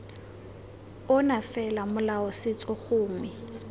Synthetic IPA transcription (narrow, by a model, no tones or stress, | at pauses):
ʊnafɛlamʊlaɔsɪt͡sʼɔχʊːmɪ